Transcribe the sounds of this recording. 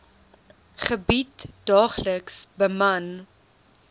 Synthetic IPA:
χəbitd̥ɑːχləksbəmɐn

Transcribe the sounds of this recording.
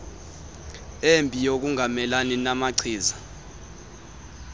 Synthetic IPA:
embʱʼijok̬uŋʱamɛlaninamaǀʰiːza

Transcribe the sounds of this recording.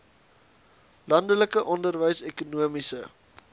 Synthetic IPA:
lɐndələkəʔɔndərvəjsekunuəmisə

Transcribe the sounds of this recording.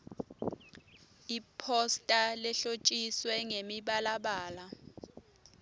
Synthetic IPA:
ipʰɔstʼalɛɬot͡ʃʼiswɛŋemiɓalaɓaːla

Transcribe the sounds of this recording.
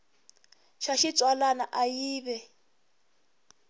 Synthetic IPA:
ʃaʃit͡sʼwalanaʔajiːβɛ

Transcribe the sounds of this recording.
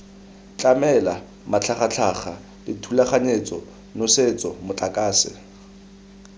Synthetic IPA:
t͡ɬʼamɛla | mat͡ɬʰaχat͡ɬʰaχa | lɪtʰulaχaɲet͡sʼɔ | noset͡sʼɔmʊt͡ɬʼakʼaːsɪ̰

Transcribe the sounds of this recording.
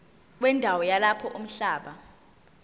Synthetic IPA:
k̬wɛndʱawɔjalapʰɔʔum̩ɬaːɓa

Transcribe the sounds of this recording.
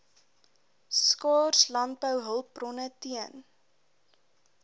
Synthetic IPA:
skɑːrslɑnt̚bəwɦəlˠp̚brɔnətiən

